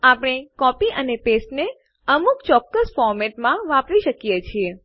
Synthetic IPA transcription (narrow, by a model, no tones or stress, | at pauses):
apəɽ̃ekɔpiʔənepesʈne | əmukt͡ʃɔkːəsfɔɾmeʈmãʋãpɾiʃəkijet͡ʃʰie